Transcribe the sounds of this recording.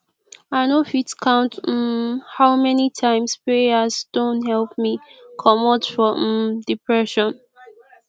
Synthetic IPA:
aɪnofitkʰãʊ̃nt̩haʊmɛnitʰãɪ̃mspɹeasd̥õnthɛlp̚mikʰɔmɔtfɹɔ̃dipʰɹɛʃɔ̃n

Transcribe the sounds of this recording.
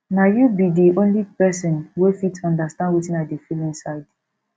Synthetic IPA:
najubidiʔõnlipɛsɔ̃nwefitɔ̃ndastãndwitĩnadifilĩnsaɪd̥

